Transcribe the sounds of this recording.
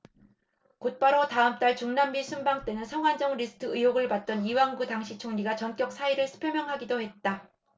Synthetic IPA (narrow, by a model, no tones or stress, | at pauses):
kot̚p͈aɾotaɯmt͈aɭt͡ɕuŋnambisʰumbaŋt͈e̞nɯnsʰʌŋɦwand͡ʑʌŋɾisʰɯ̥tʰɯɯjoɡɯɭpat̚t͈ʌniwaŋɡutaŋɕʰit͡ɕʰoŋɲiɡat͡ɕʌnk͈jʌk̚s͈ʰaiɾɯɭsʰɯ̥pʰjʌmjʌŋɦaɡidohe̞t̚t͈a